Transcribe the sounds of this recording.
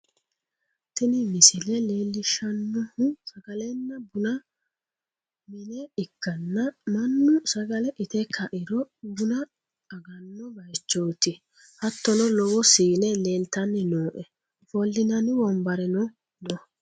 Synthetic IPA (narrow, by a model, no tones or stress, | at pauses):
t̪ɛnɪmɪsɪlɛleːlːɪʃɐnːɔhʊsɐɡ̥ɐlɛnːɐbʊnɐ | mɪnɛɪkːɐnːɐmɐnːʊsɐɡɐlɛʔɪt̪ɛkʰɐʔɪɾɔbʊnɐ | ɐɡɐnːɔbɐjt͡ʃːoːt̪ɪ | hɐt̪ːɔnɔlɔwɔsiːnɛleːlt̪ɐnːɛnoːʔɛ | bɔlːɪnɐnɪwɔmbɐɾɛnɔ | nɔ